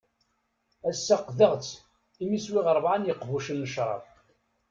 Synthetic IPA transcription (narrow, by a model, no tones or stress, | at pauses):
æsːaqðəʁt͡sː | imiswɪʁəɾˤvʕanjəqvuʃənːəʃɾˤɑ̰f